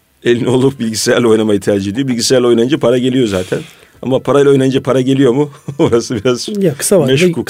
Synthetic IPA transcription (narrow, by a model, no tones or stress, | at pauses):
e̞lʲinio̞lˠup̚bilʲɟisejæɾlʲio̞jnamajit̪ʰiaːd͡ʒied̪ijobilʲɟisʲeæɾlʲo̞jnajɯnd͡ʒapʰaɾaɟe̞lʲijo̞zaːt̪ʰɛn | a̰mapʰaɾajilʲo̞jnajɯnd͡ʒapʰaɾaɟe̞lʲijo̞muoɾasɯbiɾazjakʰɯ̥sameʃkʰu